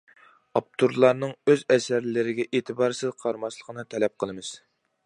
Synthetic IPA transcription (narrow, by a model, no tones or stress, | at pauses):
ɑp̚t̪ʰuɾlˠɑɾnɨŋøzɛsæɾlɪɾɪɡʲɛʔeːt̪ʰɨbɑɾsɪzqʰɑɾmɑʃlˠə̥qʰənɨt̪ʰɛlɛp̚qʰəlˠɨmɨz̥